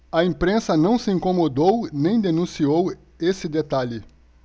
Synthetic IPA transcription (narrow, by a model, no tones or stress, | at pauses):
ɐẽpɾẽsɐnɐ̃w̃sɪĩŋkomod̪ownẽj̃d̪enũsiow | esɪd̪et̪aʎɪ